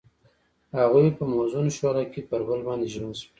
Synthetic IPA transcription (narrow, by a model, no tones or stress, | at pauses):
haɣujpəmozunoʃwaɾakepəɾbəlbɑnd̪eʒmansi